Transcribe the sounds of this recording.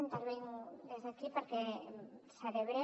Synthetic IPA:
ent̪aɾβejŋd̪ezðekipoɾke | seleβɾe

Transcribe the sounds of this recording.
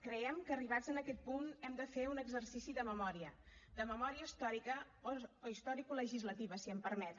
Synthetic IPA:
kɾəɛmkəːriβ̞ad͡zənəkɛt̪̚punɛmd̪əfeunəɡzərsisiðəməmɔɾiəd̪əməmɔɾiəist̪ɔɾikə | ooist̪ɔɾikoləʒizlət̪iβəsiəmpəɾmɛt̪

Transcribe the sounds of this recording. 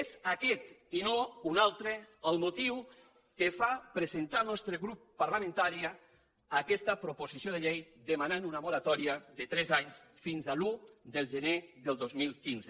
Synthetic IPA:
ezakɛt̪inounalˠt̪ɾeəlˠmot̪iw | kefapɾezent̪alˠnɔst̪ɾeɣɾupːaɾlamẽnt̪aɾiaː | kɛst̪əpɾopozisioð̞eʎejd̪emananunamoɾat̪ɔɾiaðet̪ɾɛzaɲsfinzalud̪əlˠʒəneðəlˠd̪ozmilˠkinze

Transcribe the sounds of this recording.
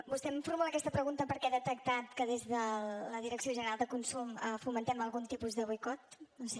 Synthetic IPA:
bust̪ɛmfuɾmulakɛst̪əpɾəɣunt̪əpəɾkɛaðət̪ək̚t̪at̪kəðezðələð̞iɾəksioʒənəɾalˠd̪əkunsuməfumənt̪ɛməlˠɣunt̪ipuzðəβujkɔt̪̚nose

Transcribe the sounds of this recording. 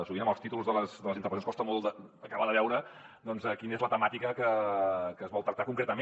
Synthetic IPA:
suɣinəməlˠst̪it̪ulˠzðələsðələzint̪əpəsonskɔst̪əmɔlˠd̪əːkaβəðəβɛwɾə | d̪ɔnzəkinəezlət̪əmat̪ikəkəkəːzβɔlˠt̪ɾək̚t̪akuŋkɾet̪əme

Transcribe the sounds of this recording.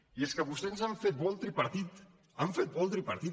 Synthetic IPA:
ieskəβust̪enzaɱfet̪̚bɔlˠt̪ɾipaɾt̪it̪ | aɱfet̪̚bɔlˠt̪ɾipɐɾt̪i

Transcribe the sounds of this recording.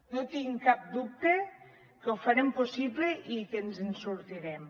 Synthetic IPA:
not̪iŋkap̚d̪up̚t̪e | kəwfaɾemposibleʔikenzensuɾt̪iɾɛm

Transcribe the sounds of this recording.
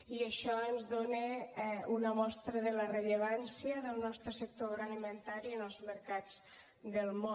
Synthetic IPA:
iəʃɔənzðonəunəmɔst̪ɾəðələrəʎəβansiəðəlˠnɔst̪ɾəsək̚t̪oɾalimənt̪aɾiənəlˠzməɾkad͡z | ðəlˠmo

